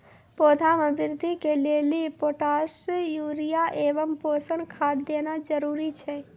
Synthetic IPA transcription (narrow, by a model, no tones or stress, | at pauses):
poːd̪ʰʱamẽbɪɾd̪ʱikelelipoːʈasjuɾijaʔeːʋəmposənkʰad̪ːenad͡ʒəɾuɾit͡ʃʰɛ